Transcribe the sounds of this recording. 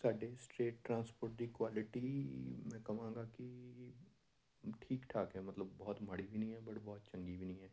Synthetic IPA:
saːɖesʈeːʈːɾãːspoːɾʈ̚d̪ikwaːlɪʈimɛ̃ːkɐʋãːŋɡaki | ʈʰiːkʈʰaːkɦɛːmɐt̪ləbːɔːt̪mɐɽibʱinəɦĩɦɛːbɐɽbɔːt̪t͡ʃɐ̃ŋɡibʱinəĩɦɛː

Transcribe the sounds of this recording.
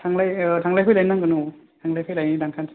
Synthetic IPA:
tʰaŋlajtʰaŋlajɦʰɯjlajnaŋkɯnu | tʰaŋlajɦʰɯjlajnidaŋkʰans

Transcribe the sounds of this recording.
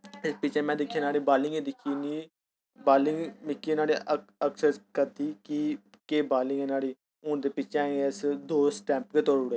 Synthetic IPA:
ɪspɪt͡ʃʰɛ̃ːmɛ̃ːd̪ɪkʰːẽːnaːɽiːbaːlɪŋɡẽːd̪ɪkʰːiːniː | baːlɪŋɡmɪkʰːiːnaːɽiːəksəskəɾt̪iːki | keːbaːlɪ̃ŋɡɛːnaːɽiː | ʊnd̪eːpɪt͡ʃʰɛ̃ːeɪsd̪oːsʈɛ̃ːmpkeːt̪oːɾʊɽeː

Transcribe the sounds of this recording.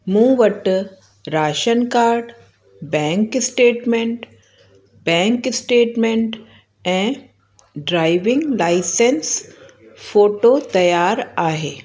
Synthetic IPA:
mũːʋəʈ | ɾaːʃənkaːɾɖ | bɛ̃ːŋksʈeːʈmẽɳʈ | bɛ̃ːŋksʈeːʈmẽɳʈ | ɛ̃ | ɖɾaːɪʋɪ̃ŋɡlaɪsens | foːʈoːt̪ɐjaːɾaːɦeː

